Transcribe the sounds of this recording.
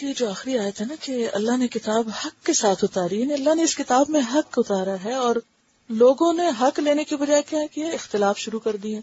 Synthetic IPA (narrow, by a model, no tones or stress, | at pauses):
ed͡ʒoːaːxɾiaːjət̪ɦɛnakeɐ̰lːaɦnekɪt̪aːbhɐkːesaːt̪ʰʊt̪aːɾiɦɛniɐlːaɦneɪskɪt̪aːbmẽɦɐkːʊt̪aːɾaɦɛɔːɾ | loːɡõneɦɐkleːnekibɐd͡ʒaːekjaːkijaɪxt̪ɪlaːfʃʊɾukɐɾd̪iɦɛ̃ː